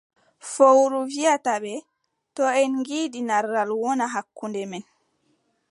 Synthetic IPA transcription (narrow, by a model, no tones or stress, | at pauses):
fowɾuviataɓɛ | tɔɛnŋɡiːdinaɾːalwɔnaɦakːundɛmɛn